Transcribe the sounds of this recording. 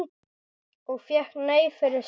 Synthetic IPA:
ɔɣfjɛhkneːjfɪɾɪɾ̥s

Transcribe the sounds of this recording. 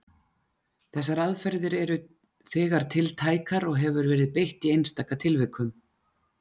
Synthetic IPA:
θɛs̬ːaɾaðfɛɾðɪɾɛɾʏ | θɛːɣaɾ̥t̪ʰɪlt̪ʰaːjkaɾɔɣɦɛvʏɾvɛːɾɪðpejht̪iejnst̪akat̪ʰɪlvɪkʰʏm

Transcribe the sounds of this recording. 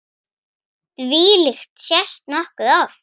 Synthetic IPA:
t̪viːlɪxt̪sjɛst̪nɔhkʏðawɾ̥

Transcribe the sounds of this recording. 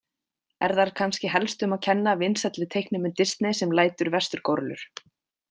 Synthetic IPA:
ɛ̰ɾθaɾkʰanscɪɦɛlst̪ʏmaðcʰɛnːavɪnsɛt̪lɪt̪ʰejhknɪmʏnt̪ɪst̪nɪsɛmlaːjt̪ʏɾvɛst̪ʏɾkɔɾlʏ̰ɾ̥

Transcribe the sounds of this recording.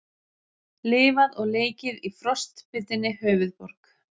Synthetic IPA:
lɪːvaðɔɣleːjcɪðifɾɔst̪pɪt̪ːɪnːɪhœːɥvʏðpɔɾ̥k

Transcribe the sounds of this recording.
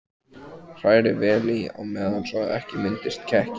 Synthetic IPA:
r̥aːjɾɪvɛːliaɣmɛːðansɔɣð̰ɛhcɪmɪnt̪ɪst̪̚cʰɛhcɪ

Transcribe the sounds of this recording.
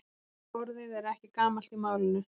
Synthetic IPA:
ɔɾðɪðɛɾɛhcɪkaːmal̥t̪imaːwlɪnːʏ

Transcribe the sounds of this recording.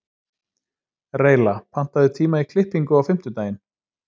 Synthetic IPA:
reːjlapʰan̥t̪aðɪt̪ʰiːmaikʰlɪhpiŋkʏawfɪm̥t̪ʏt̪aːjɪn

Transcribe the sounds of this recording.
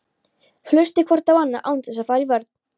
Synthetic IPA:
flʏst̪ɪkʰvɔɾt̪awanːa̰ʔawnt̪ɪsafaːɾivœɾt̪nn̥

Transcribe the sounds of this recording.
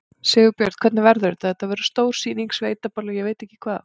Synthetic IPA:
sɪːɣʏpjœɾt̪̚kʰvɛt̪nɪvɛɾðʏɾt̪aðɛt̪avɛːɾʏ̥st̪oːwɾ̥siːniŋksvejt̪apalajɛveːjt̪ɛhcɪ̥kʰvaːð

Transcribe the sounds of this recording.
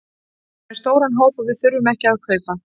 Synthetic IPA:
ɛɾ̥st̪oːwɾanɦoːwpavɪðθʏɾvʏmɛhcɪaðkʰvœːɥpa

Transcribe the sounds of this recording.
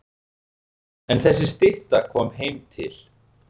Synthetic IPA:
ɛnθɛs̬ːɪst̪ɪht̪akʰɔːmɦejmt̪ʰɪ̰l

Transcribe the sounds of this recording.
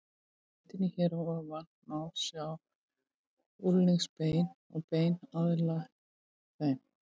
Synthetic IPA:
t̪ɪnːɪçɛɾɔavan | nawsjaw | ulːiŋspeːjn | ɔɣpeːjnaðɪla | θejn

